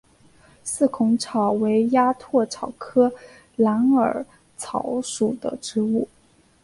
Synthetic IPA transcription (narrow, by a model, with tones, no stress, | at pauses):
sɹ̩˥˩kʰʊ˧˥ŋʈ͡ʂʰɑ˨˩ʊwe˧˥ɪja˥t̪ʰwɔ˥˩ʈ͡ʂʰɑ˨˩ʊkʰɤ˥ | la˧˥nə̰˞˨˩ | t͡sʰɑ˧˥ʊʂu˨˩d̪ə̰˦ʈ͡ʂɻ̩˧˥u˥˩